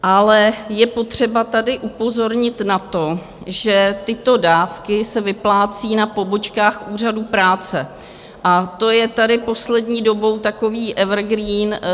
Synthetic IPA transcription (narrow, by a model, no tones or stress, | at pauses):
ʔalɛjɛpo̞t̪r̝̥ɛbat̪adɪʔupo̞zo̞ɾɲɪt̪nat̪o̞ | ʒɛt̪ɪt̪o̞daːfkɪsɛvɪplaːt͡siːnapo̞bo̞t͡ʃkaːxʔuːr̝adupɾaːt͡sɛ | ʔat̪o̞jɛt̪adɪpo̞slɛdɲiːdo̞bo̞wt̪ako̞viːʔɛvrɡɾiːn